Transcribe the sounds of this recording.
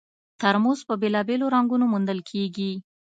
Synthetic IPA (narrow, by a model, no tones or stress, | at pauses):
t̪aɾmozpəbelɑbeloɾaŋɡunomund̪əlkʰeɡi